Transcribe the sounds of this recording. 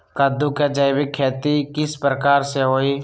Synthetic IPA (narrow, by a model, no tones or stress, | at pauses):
kad̪ukad͡ʒaːɪbɪkʰːɛːt̪ikɪspɾəkaːɾseɦoːiː